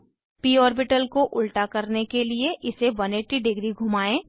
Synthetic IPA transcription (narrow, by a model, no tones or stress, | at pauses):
piːɔːɾbɪʈəlkoʔʊlʈakɐɾnekelieʔɪsebɐneʈiɖɪɡɾiɡʱʊmaːẽː